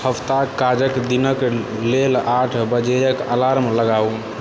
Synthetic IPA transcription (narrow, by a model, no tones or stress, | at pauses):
həpt̪akad͡ʒəkd̪inək | lelaʈʰbəd͡ʒejəkalaɾmləɡau